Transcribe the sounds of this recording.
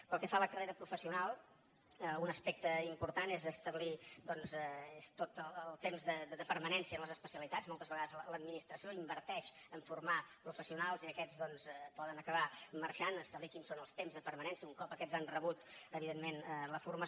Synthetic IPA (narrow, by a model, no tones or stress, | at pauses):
pəlˠkɛfaləkəreɾəpɾufəsiunalˠ | əunəspɛk̚t̪əimpuɾt̪anezəst̪əβlid̪ɔnzɛest̪ot̪əəlˠt̪emzðəd̪əpəɾmənɛnsiənləzəspəsiəlit̪azmɔlˠt̪əzβəɣaðəzələd̪̚minist̪ɾəsioimbəɾt̪ɛʃəɱfurmapɾufəsiunalˠziəkɛzðɔnzpɔðənəkəβaməɾʃanəst̪əβlikinsonəlˠst̪emzðəpəɾmənɛnsiəuŋkɔpəkɛzanrəβut̪əβiðenmːenələfurmə